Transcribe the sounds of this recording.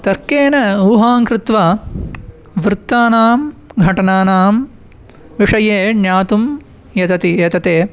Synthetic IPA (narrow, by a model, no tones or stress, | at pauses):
t̪ɐɾkeːnɐuːɦaːŋkɾɪt̪ʋa | ʋɾɪt̪ːaːnaːmɡʱɐʈɐnaːnaːm | ʋiʂɐjeːnjaːt̪um | jɐt̪ɐt̪ijɐt̪ɐt̪eː